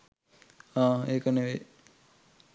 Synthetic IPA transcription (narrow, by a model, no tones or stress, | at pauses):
ãːeːkəneʋe